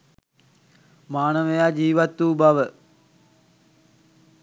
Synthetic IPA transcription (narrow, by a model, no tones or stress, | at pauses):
maːnəʋəjaːd͡ʒiːʋat̪ːuːbaʋə